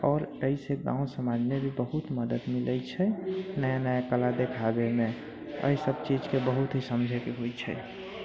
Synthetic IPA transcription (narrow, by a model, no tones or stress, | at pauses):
ɔːɾəiseɡã̰w̃səmad͡ʒmebʱibəɦut̪məd̪əd̪milət͡ʃʰɛnəjanəjakəlad̪ekʰabemẽ | ə̰isəb̚t͡ʃid͡ʒkebəɦut̪ɦisəmd͡ʒʱɛkeɦojt͡ʃʰɛ̰